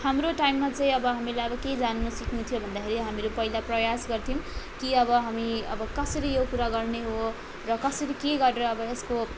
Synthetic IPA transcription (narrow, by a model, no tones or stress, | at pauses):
hamroʈajmːat͡saĩʌbʌɦamilajʌbʌked͡zanːusikʰnut̪ʰijobʱʌnd̪akʰeɾiɦamiɾopʌilaprʌjasɡʌrt̪ʰiw̃kiʌbʌɦamiʌ̰bʌkʌsʌɾijokuɾaɡʌrneɦo | rʌkʌsʌɾikeɡʌɾeɾʌːbʌesko